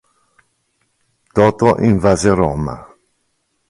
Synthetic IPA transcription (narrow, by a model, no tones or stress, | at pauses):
t̪ɔːt̪oʔiɱvazeɾɔma̰